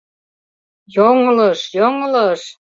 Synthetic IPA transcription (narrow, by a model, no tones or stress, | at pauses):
joŋləʃjoŋləʃ